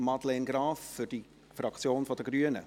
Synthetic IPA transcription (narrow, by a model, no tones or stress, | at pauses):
mɑdlɛnɡɾaːfːʏd̥i | fɾɑkt͡sjoːnfod̥əɡ̥ɾyənə̰